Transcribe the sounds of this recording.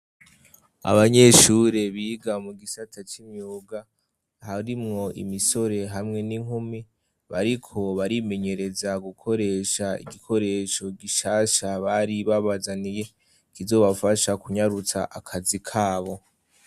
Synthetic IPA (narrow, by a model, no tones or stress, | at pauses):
a̰βaɲe̞ʃuːɾe̞βiːɡamuɡisatʰat͡ʃimɲuːɡa | haɾimŋo̞ʔḭmiso̞ɾe̞ɦamŋe̞niŋ̥humi | βaɾikʰo̞βaɾime̞ɲe̞ɾe̞zaɡukʰo̞ɾe̞ːʃaḭɡikʰo̞ɾe̞ːʃo̞ɡiʃaːʃaβaɾiβaβazanije̞ | kizo̞βafaʃakuɲaɾut͡sa̰ʔakʰazikʰaːβo̞